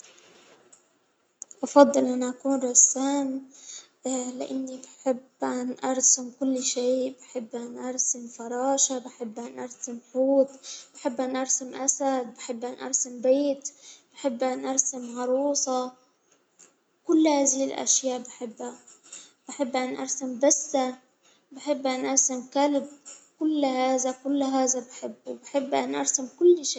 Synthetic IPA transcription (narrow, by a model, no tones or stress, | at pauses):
ʔɑfɑd̪ˤːɨlʔanaʔakuːnɾˤɑsːaːm | lɪʔanːibɪħɪbːʔanʔɑɾˤsɪmkʊlːʃeːbɪħɪbːʔanʔɑɾˤsɪmfɑɾˤɑːʃabɪħɪbːʔanʔɑɾˤsɪmħuːt̪̚ˤb̥ɪħɪbːʔanʔɑɾˤsɪmʔasad̪̚bɪħɪbːʔanʔɑ̰ɾˤsɪmbeːt̪b̥ɪħɪbːʔanʔɑɾˤsamʕɑɾˤuːsˤɑ | kʊlːhaːzɪhɪlʔa̰ʃjaːʔbɪħɪbːa | b̥ɪħɪbːʔanʔɑ̰ɾˤsambasːa | bɪħɪbːʔanʔɑɾˤsamkalbkʊlːhaːzakʊlːɦaːzabɪħɪbːwbɪħɪbːʔanʔɑ̰ɾˤsamkʊlːʃeː